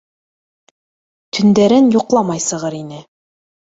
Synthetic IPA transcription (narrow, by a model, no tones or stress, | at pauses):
t̪ʰɵ̆nd̪æɾɘnjŏqlˠɑmɑjsɤ̆ʁɤɾinɘ